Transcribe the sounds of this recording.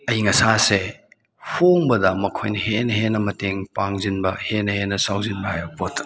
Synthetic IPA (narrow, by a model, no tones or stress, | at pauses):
ɐjiŋɐsase | hoŋbɐdɐmɐkʰojnɐɦenɐɦenɐmɐteŋpaŋzinbɐhenɐhenːɐsawzinbɐhajbɐpot